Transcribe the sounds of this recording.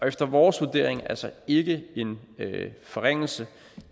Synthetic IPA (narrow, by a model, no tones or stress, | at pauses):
ɒ̽efd̥ɐʋɒːsʋud̥e̝̰ɐ̰eŋælsɒe̝ɡ̥əe̝n | fɒ̽ʁeŋ̰l̩sə